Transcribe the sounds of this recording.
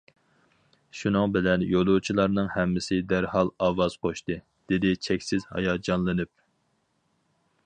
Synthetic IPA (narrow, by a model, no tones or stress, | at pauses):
ʃunɨŋbɪlɛnjolˠut͡ʃʰilˠɑɾnɨŋhɛmːɪsɪd̪æɾhɑlˠɑːwɑz̥qʰoʃt̪ɨ | d̪̥ɪd̪ɪt͡ʃʰɛkʲsɪzhɑ̰jɑːd͡ʒɑnlˠɨnɨp̚